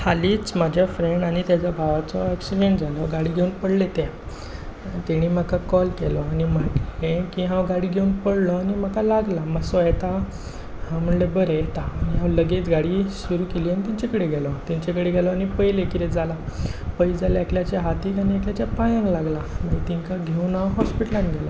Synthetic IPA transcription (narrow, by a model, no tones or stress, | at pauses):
haliːt͡smad͡ʑʱjafɾeɳɖañit̪jat͡ɕabʱaʋat͡sɔɛksiɖẽɳʈd͡zʱalɔɡaɽiːɡʱeunpəɽlet̪e | t̪iɽ̃im̤akakɔlkelɔañimaklekĩɦãwɡaɽiːɡʱeuːnpəɽlɔanim̤akalaɡlamasɔjɛt̪a | hãm̤əɽlebəɾejɛt̪aːniɦãwləɡet͡sɡaɽiːsuɾuːkeliːanit̪iɲt͡ɕakəɽeɡʱɛlɔt̪ɛɲt͡ɕekəɽeɡʱɛlɔañipəjlekit̪ed͡zʱalapəid͡zʱaljakljat͡ɕjaɦat̪iːkaniakljat͡ɕjapajãŋklaɡlamait̪iŋkaɡʱeunaɦɔspiʈəlãnɡʱɛla